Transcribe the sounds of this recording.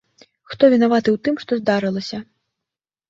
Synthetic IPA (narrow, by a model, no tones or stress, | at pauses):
xt̪ɔvʲinavat̪ɨwt̪ɨmʂt̪ɔzd̪aɾɨlˠɐsʲɐ